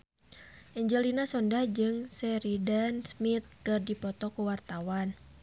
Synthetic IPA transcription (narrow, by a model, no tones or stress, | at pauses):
ʔɛɲd͡ʒɛlinasɔndahd͡ʒɨŋsɛɾidansmit̪̚kɨrdipɔt̪ɔkuwart̪awan